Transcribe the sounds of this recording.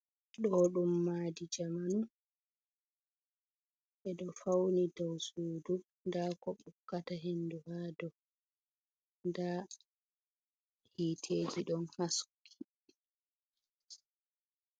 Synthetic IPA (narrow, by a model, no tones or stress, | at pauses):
ɗɔɗumːaːdid͡ʒamanu | ʔɛɗɔfawnidawsuːdu | ndakɔɓukːataɦenduhaːdɔ | nda | hiːtʰeːd͡ʒiɗɔnhasu̥kʰːi̥